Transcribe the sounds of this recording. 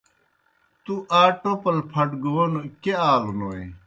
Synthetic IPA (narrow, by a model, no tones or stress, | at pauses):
t̪uʔaːʈopɐlpʰɐʈɡoːnokeaːlunoːe